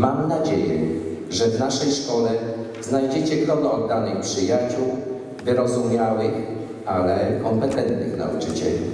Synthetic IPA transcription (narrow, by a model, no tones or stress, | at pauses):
mamnad͡ʑejɛ̰ʐɛvnaʂɛjʂkɔlɛ | znajd͡ʑet͡ɕɛɡlɔd̪ɔd̪̚d̪anɘxpʂɘjat͡ɕuw | vɘɾɔzumʲjawɘx | alɛkɔmpɛt̪ɛnt̪nɘxna̰ut͡ʂɘt͡ɕɛ̰lʲḭ